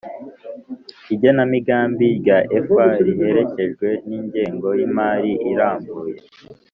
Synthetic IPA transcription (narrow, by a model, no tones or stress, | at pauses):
iɟonamiɡaːmbiɟaʔefaɾije̞ɾe̞ce̞ʒɡwe̞niːɲɟe̞ːŋɡo̞jimaːɾiʔiɾaːmbuːje̞